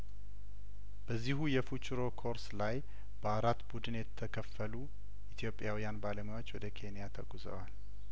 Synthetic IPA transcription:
b̥əzːiɦujɛfut͡ʃʼɾo̞kʰo̞ɾslaj | b̥əaɾat̪bud̪ɨnjɛt̪ʰːəkʰəfːəlu | ʔit̪ʰjo̞pʼːjawijanbaləmjawot͡ʃːwɔd̪əkʰe̞nijat̪ʰəɡuzə̰wal

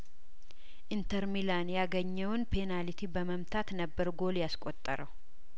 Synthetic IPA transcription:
ʔint̪ʰəɾmilanjaɡəɲːɛwnpʰe̞nalit̪ʰibəməmt̪ʰat̪nəbːəɾɡo̞ljaskʼot̪ʼːəɾəw

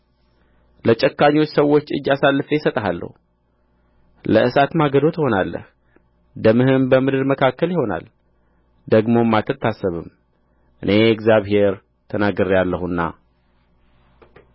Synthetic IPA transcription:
lət͡ʃʼɛkːaɲwot͡ʃːsəwːo̞t͡ʃːɨ̰d͡ʒːasalːɨfəjɛsət̪ʼəɦalːə̰hu | ləʔɨsat̪maɡəd̪o̞t̪ɪho̞nalːə̰h | d̪əmɨhɨmbəmɨd̪ɨɾməkʰakːəljɪho̞na̰l | d̪əɡmo̞mːat̪ʰːət̪ːasːəβɨm | ʔɨne̞ɛɡzjaβhe̞ɾ | t̪ʰənaɡəɾjalːəhunːa̰

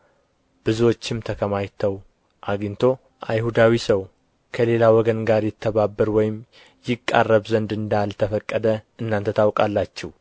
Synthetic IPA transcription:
b̥ɨzuwo̞t͡ʃːɪmt̪ʰəkʰəmajt̪ʰəw | ʔaɡint̪ʰo̞ | ʔajhud̪awisəw | kʰəle̞lawɔɡənɡaɾjɪt̪ʰːəβabːəɾwɔjɪm | jɪkʼːa̰rːəβzənd̪ɨnd̪alt̪ʰəfəkʼːəd̪əɨnːant̪ʰət̪ʰawkʼalːat͡ʃːɛh

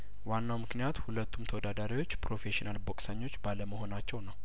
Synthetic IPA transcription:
wanːawmɨknijat̪hulət̪ːumt̪ʰəwɔd̪ad̪aɾiwo̞t͡ʃːpɾo̞feʃinalbokʼsəɲːo̞t͡ʃːbaləməho̞nat͡ʃːɛwnəw

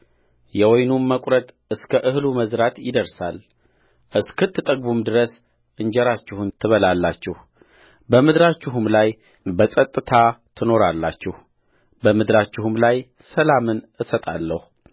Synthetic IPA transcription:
jɛwɔjnumːəkʷʼɾət̪ʼ | ɨskʰəʔɨhluməzɾat̪jɪd̪əɾsal | ʔɨskʰɨt̪ʰːɨt̪ʼəɡbumd̪ɨɾəs | ʔɨɲd͡ʒɛɾat͡ʃːɪhunt̪ʰɨβəlalːat͡ʃːɪh | bəmɨd̪ɾat͡ʃːɪɦumlaj | bəsʼət̪ʼːɨt̪ʰat̪ʰɨno̞ɾalːa̰t͡ʃːɪh | bəmɨd̪ɾat͡ʃːɪhumlaj | səlamɨnʔɨsət̪ʼalːəhu

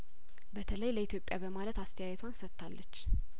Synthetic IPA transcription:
bət̪ʰələjləit̪ʰjo̞pʼjabəmalət̪ast̪ʰəjajɛt̪ʰwansət̪ːalːət͡ʃː

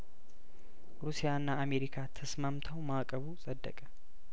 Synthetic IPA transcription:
ɾusijaɨnːaːme̞ɾikʰat̪ʰəsmamt̪ʰəwmakʼəβusʼəd̪ːə̰kʼə

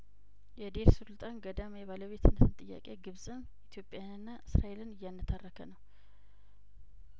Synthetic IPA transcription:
jɛd̪eɾsɨlt̪ʼanɡəd̪amjɛβaləβe̞t̪ʰɨnət̪ɨnt̪ʼɨjːa̰kʼe̞̰ɡɨβsʼɨn | it̪ʰjo̞pʼːjaanɨnːaʔɨsɾaelɨnɨjːanːɨt̪ʰarːəkʰənəw

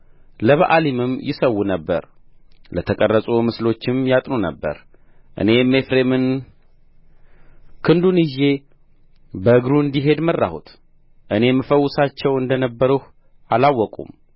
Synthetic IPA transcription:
ləβa̰ʔalimɨmjɪsəwːunəbːə̰ɾ | lət̪ʰəkʼərːəsʼumɨslo̞t͡ʃːɪmjat̪ʼnonəbːə̰ɾ | ʔɨ̰ne̞me̞fɾemɨn | kʰɨnd̪unɨʒe̞ | bəɨɡɾuɨnd̪iɦe̞d̪mərːa̰hut̪ʰ | ʔɨne̞mːəfəwːʊsat͡ʃːɛwɨnd̪ənəbːəɾuh | alawːɔkʼṵm

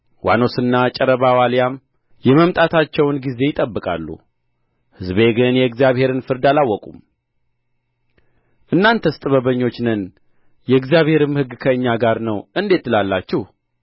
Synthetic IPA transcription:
wʔa̰no̞sɨnːat͡ʃʼɛɾəβawaljam | jɛməmt̪ʼat̪ʰat͡ʃːɛwnɡize̞jɪt̪ʼəbːɨkʼa̰lːṵ | hɨzbe̞ɡɨnjɛɨɡzjaβhe̞ɾɨnfɨɾd̪alawːɔkʼum | ʔɨnːant̪ʰəst̪ʼɨβəβəɲːo̞t͡ʃːnɨn | jɛɨɡzjaβhe̞ɾɨmhɨɡːkʰəɨɲːaɡaɾnəwɨnd̪e̞t̪ːɨlalːat͡ʃːɪh

